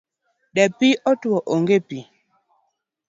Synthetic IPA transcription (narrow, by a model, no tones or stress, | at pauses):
ɗɛpiʔɔtuwɔʔoŋɡepi